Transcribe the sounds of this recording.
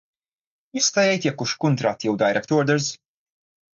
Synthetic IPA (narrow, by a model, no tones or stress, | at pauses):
jɪst̪ɐjɛjt̪jɐkːʊʃkʊnt̪ɾɐt̪jɛwd̪ɐjɾɛkt̪ɔɾd̪ɛɾz